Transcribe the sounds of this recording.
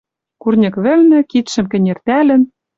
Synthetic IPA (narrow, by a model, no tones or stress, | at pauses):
kurnʲɤ̆kβɘ̆lnɘ̆kit̪ʃɘ̆mkɘ̆nʲert̪ælɘ̆n